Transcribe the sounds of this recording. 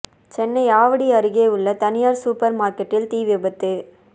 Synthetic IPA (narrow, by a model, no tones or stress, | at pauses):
t͡ʃɛnːɐɪaːʋɐɽiɐɾɯɣeːʊɭːɐt̪ɐnɪjaːɾsuːpɐɾmaːɾkɛʈːɪlt̪iːʋɪbɐt̪ːɯ